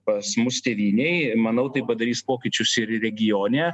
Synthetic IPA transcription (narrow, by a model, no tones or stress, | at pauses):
pɐsmʊst̪ʲeːʋʲiːnʲɛɪmɐnɐʊt̪ɐɪpɐd̪ɐɾʲiːspoːkʲɪt͡ʃʲʊsɪɾɾʲɛɡʲɪjoːnʲɛː